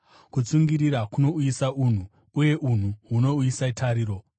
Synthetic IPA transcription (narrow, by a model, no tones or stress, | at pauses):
kut͡suŋɡiɾiɾakuno̞uisaʔun̤u | uje̞ʔun̤uɦuno̞uisaitʰaɾiːɾo̞